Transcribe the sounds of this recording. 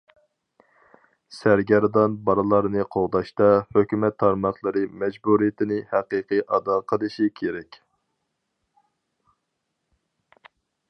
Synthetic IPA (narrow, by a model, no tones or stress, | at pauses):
sæɾɡʲɛɾd̪ɑnbɑɾɨlˠɑɾnɨqʰoʁd̪ɑʃt̪ɑhøkʲymɛt̪ʰːɑɾmɑχlˠɨɾɨmɛd͡ʒbuɾijɪt̪ʰɪnɪhæqɨqʰɨʔɑd̪ɑːqʰəlˠɨʃikʲʰeɾɛkʲ